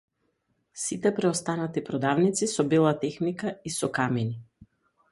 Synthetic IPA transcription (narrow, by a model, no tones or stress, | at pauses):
sit̪ɛpɾɛɔst̪anat̪ipɾɔd̪avnit̪sisɔbilˠat̪ɛxnikaisɔkamɛni